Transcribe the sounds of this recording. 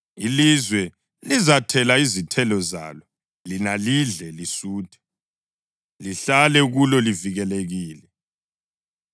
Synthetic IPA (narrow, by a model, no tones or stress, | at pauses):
ilizwɛ | lizatʰɛlaizitʰɛlɔza̰lɔ | linaliɮɛlisuːd̥ʰʱʼɛ̥ | liɬalɛɣulɔliviɣɛleɣiːlɛ